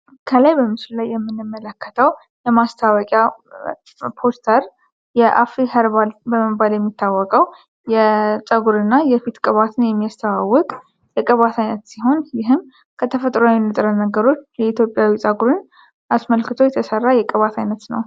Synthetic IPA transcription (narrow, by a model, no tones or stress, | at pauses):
kʰəlajbəmɨsɨlulajːɛmːɨnːɨmːələkʰːət̪ʰəw | jɛmast̪ʰawɔkʼja | pʰo̞st̪ʰəɾ | jɛʔa̰fihəɾbalbəməbaljɛmːit̪ʰːawːɔkʼəw | jɛsʼəɡuɾɨnːajɛfit̪kʼəβat̪ʰɨnjɛmːijast̪ʰəwawːɔkʼ | jɛkʼəβat̪ʰajnət̪siɦo̞njɪɦɨm | kʰət̪ʰəfət̪ʼɾoawinɨt̪ʼɾənəɡəɾo̞t͡ʃːjɛit̪ʰjo̞pʼjawisʼəɡuɾɨn | ʔasməlkɨt̪ʰo̞jɛt̪ʰəsərːajɛkʼəβat̪ʰajnət̪nə̰w